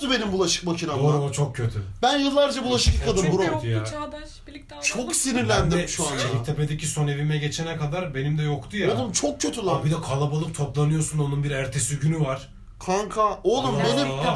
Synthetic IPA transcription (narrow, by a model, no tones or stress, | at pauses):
t̪ube̞nimbulˠaʃɯ̥k̚macʰinaɾat͡ʃʰok̚cʰøt̪ʰybænjɯlˠːaɾd͡ʒabulˠaʃɯ̥kakʰːad̪ɯmbuɾod̪j | t͡ʃʰoksiniɾlʲænd̪iɾɛʃuanit̪ʰeped̪eciso̞ne̞vimɛɟet͡ʃʰenɛkad̪aɾbe̞nimd̪ɛjo̞kt̪ʰujaumt͡ʃʰok̚cʰø̞t̪ʰylˠabid̪ɛkʰalˠabalˠɯp̚t̪ʰoplˠanɯjo̞suno̞nunbiɾæɾt̪ʰe̞siɟynyvaɾ̥ | kʰaŋkʰaolˠumbe̞nim